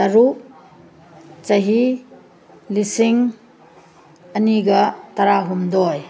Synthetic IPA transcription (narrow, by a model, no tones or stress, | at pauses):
tɐɾu | t͡ʃɐɦi | lisiŋ | ɐniɡɐtɐɾaɦumdɔj